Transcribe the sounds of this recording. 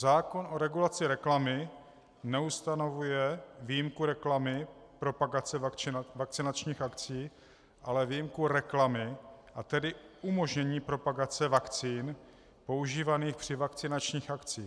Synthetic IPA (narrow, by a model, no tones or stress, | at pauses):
zaːko̞nʔo̞ɾɛɡulat͡sɪɾɛklamɪ | nɛust̪ano̞vujɛvijimkuɾɛklamɪpɾo̞paɡat͡sɛvak̚t͡sɪnat͡ʃɲiːxʔakt͡siː | ʔalɛvijimkuɾɛklamɪʔat̪ɛdɪumo̞ʒɲɛɲiːpɾo̞paɡat͡sɛvakt͡siːn | po̞uʒiːvaniːxpr̝̥ɪvakt͡sɪnat͡ʃɲiːxʔakt͡siː